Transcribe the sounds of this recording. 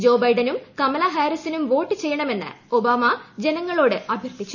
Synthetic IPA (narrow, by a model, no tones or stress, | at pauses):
d͡ʑo̞ːbɐjɖɐnumkɐmɐlɐɦaːɾisinumʋo̞ːʈːɨt͡ɕe̞jːɐɳɐme̞nːɨ̰o̞baːmɐd͡ʑenɐŋːɐɭo̞ːɽɨɐbʱjɐrt̪it͡ɕːu̥